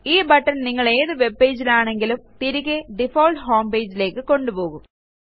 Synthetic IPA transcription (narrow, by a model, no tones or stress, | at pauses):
iːbɐʈːɐnnɪŋːɐɭeːðɨʋebːeːd͡ʑilaːɳeŋɡilɯmt̪iɾiɣeɖifoːlʈɦoːmbeːd͡ʑileːkːɨkoɳɖupoːɣum